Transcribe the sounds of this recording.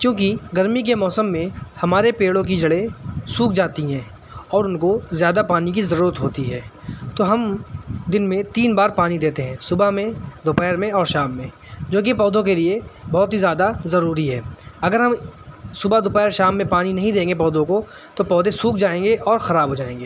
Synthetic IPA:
kjõːk̬iɡɐɾmik̬emɔːsəmːẽhɐmaːɾepeːɽõk̬id͡ʒɐɽesuːk̚d͡ʒaːt̪iɦɛ̃ː | ɔːɾʊnkozjaːd̪apaːnikizɐɾuːɾət̪ɦoːt̪iɦɛːt̪oɦɐmd̪ɪnmẽt̪iːnbaːɾpaːnid̪eːt̪eɦɛ̃ːsʊbamẽd̪ʱʊpɛːɾmẽɔːɾʃaːmːẽ | d͡ʒoːk̬ipɔːd̪õk̬eliebɔːt̪ɦizjaːd̪azɐɾuːɾiɦɛːɐɡəɾɦɐmsʊbad̪ʱʊpɛːɾʃaːmːẽpaːninɐɦĩd̪ẽːŋɡepɔːd̪õko | t̪opɔːd̪esuːk̚d͡ʒaːẽːŋɡeʔɔːɾxɐɾaːbʱɦoːd͡ʒaːẽːŋɡeː

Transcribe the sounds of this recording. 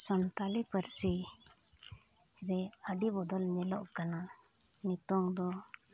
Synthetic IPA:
sɔnt̪alipəɾsi | ɾɛəɖibɔd̪ɔlnɛlɔʔkana | nit̪ɔŋd̪ɔ

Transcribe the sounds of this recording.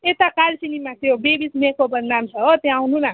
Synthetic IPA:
et̪akalsinimãt̪jobebismekobʌnd̪amt͡sʰʌɦot̪jãawnuna

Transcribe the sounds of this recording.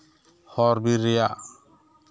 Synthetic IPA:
hɔɾbiɾːɛjaʔ

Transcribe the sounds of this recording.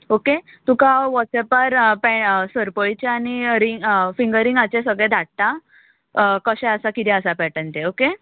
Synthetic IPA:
oke | t̪ũkãʋɔʈsɛpaɾpɛsəɾpəjit͡ɕeaniɾiŋfiŋɡəɾiŋɡat͡ɕẽsəɡɭɛ̃d̪ʱaʈ̚t̪a | kəɕɛ̃əsakit̪ĩəsapɛʈənt̪eoke

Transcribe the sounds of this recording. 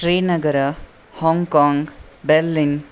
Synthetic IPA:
sɾinɐɡɐɾɐ | hɔŋkɔŋbeɾlin

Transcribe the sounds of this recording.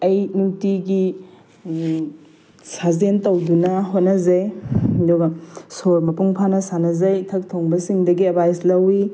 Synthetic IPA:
ɐjnutiɡi | sazentowdunɐɦot̚nɐzejdoɡɐsoɾmɐpuŋpʰanɐsanɐzɐjtʰɐk̚tʰoŋbɐsiŋdɐɡiɐbajslɐwi

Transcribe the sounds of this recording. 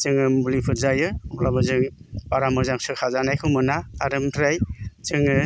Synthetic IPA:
t͡ʃɯŋɯmbulipʰɯɾzajɯɔblabɯzɯŋbaɾamɯzaŋsɯkʰazanajkʰɯmɯnaːɾɯmtʰɾajt͡ʃɯŋɯ

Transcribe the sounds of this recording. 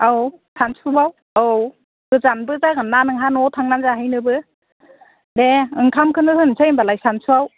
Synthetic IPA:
awsʰansʰubaw | a | b̥ɯzanbɯzaɡɯnːanɯŋɦanɔtʰaŋnanzaɦɯjnɯbɯ | deɯŋkʰamkʰɯnɯhɯnsʰajmbalajsansʰuaw

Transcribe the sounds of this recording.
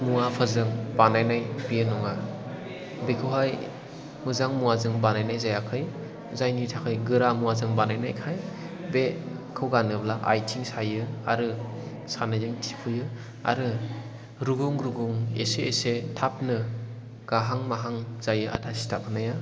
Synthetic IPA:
muwapʰɯzɯŋbanajnajbijɯnɔŋa | bekʰɯwɦaj | mɯzaŋmuwazɯŋbanajnajzajakʰɯj | zajnitʰakʰɯjɡɯɾamuazɯŋbanajnajkʰaj | bekʰɯwɡanɯblaʔa̰jtʰiŋsajɯa̰ɾɯ | sanajzɯŋtʰi̥pʰɯjɯ | a̰ɾɯ | ɾuɡuŋɾuɡuŋḛseːsetʰap̚nɯ | ɡ̥aɦaŋmaɦaŋzajɯa̰tʰasi̥tʰapʰanaja

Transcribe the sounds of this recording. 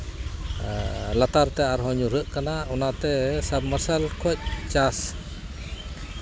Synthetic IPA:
lat̪art̪ɛaɾɦɔɲuɾəʔkanaʔunat̪ɛsab̚masalkʰɔc̚t͡ʃas

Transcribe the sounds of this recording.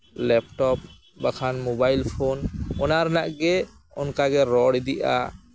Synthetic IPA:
lɛpʈɔp̚ | bakʰanmɔbajlpʰonɔnaɾnaʔɡɛ | ɔnkaɡɛɾɔɽid̪iʔa̰

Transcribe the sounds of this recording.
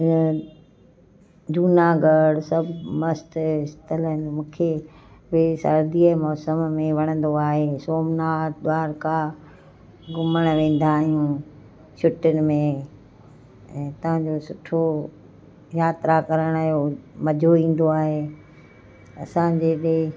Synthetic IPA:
duːnaɡɐɽsɐbʱmɐsʈɪst̪ələnɪmũːkʰe | bɪsɐ̰ɾd̪iəmɔːsəmmẽʋɐɽ̃ə̃n̆d̪oaːɦeːsoːmnaːd̪waːɾka | ɡʊməɽ̃ʋẽːn̆d̪aːɦijũ | sʊʈʊnɪ̆mẽ | t̪ɐʋ̤ãɲd͡ʑosʊʈʰo | jaːt̪ɾakɐɾəɽ̃jomɐd͡ʑʱoĩːn̆d̪oaːɦeː | ɐ̰sãd͡ʑeːɗe

